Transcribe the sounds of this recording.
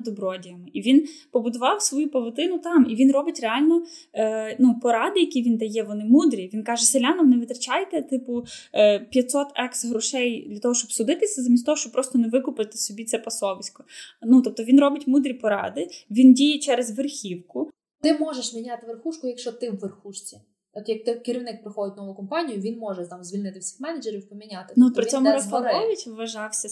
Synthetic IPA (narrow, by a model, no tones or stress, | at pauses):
d̪ɔbɾɔdʲijɐmɪʔiʋʲinpɔbʊd̪ʊʋɑwsʋɔjupɐʋɔt̪ɪnʊt̪ɑmiʋʲinrɔbɪtʲreɑlʲnɔ | nupɔɾɑd̪ɪjɐkʲiʋʲind̪ɐjɛʋɔnɪmud̪ɾʲiʋʲinkɑʒɛselʲɑnɐmnɛʋɪt̪ɾɐt͡ʃɑjt̪ɛt̪ɪpʊpʲjɐt̪sɔt̪ɛksɦɾʊʃɛjd̪lʲɐt̪ɔɦɔʃt͡ʃɔbsʊd̪ɪt̪ɪsʲɐzɐmʲinst̪ɔɦɔʃt͡ʃɔb̚pɾɔst̪ɔneʋɪkʊpɪt̪ɪ̥sɔbʲit̪sɛpɐsɔʋɪsʲkɔ̥nut̪ɔp̚t̪ɔʋʲinɾɔbɪtʲmud̪ɾʲipɔɾɑ̰d̪ɪʋʲindʲijɛt͡ʃɛɾezʋerxʲiwkʊ | t̪ɪmɔʒeʃmʲinʲat̪ɪʋerxuʃkʊjɐkʃt͡ʃɔt̪ɪwʋerxuʃt͡sʲi | ɔt̪jɐk̚t̪ɪkːɪɾʲiwnɪk̚pɾɪxɔd̪ɪtʲnɔʋʊkɔmpɑnʲijʊʋʲinmɔʒɛt̪ɑmzʲʋʲilʲnɪt̪ɪwsʲi̥xmɛnɐd͡ʒeɾʲiwpɔmʲinʲat̪ɪ̥nuɔt̪pɾɪɔmʊɾɔspɐɔjʊtʲʋʋɐʒɑwsʲɐ